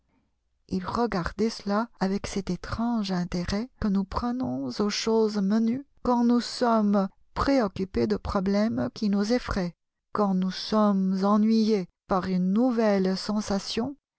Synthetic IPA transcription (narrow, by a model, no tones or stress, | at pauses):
ilʁəɡaʁd̪ɛsəlaːvɛksɛt̪et̪χɑ̃ʒɛ̃t̪eʁɛkənupχənɔ̃zoʃozməny | kɑ̃nusɔm | pχeɔkʲyped̪əpχɔblɛmkʲinuzɛfχɛ | kɑ̃nusɔmzɑ̃nɥijepaʁynːuvɛlsɑ̃sasjɔ̃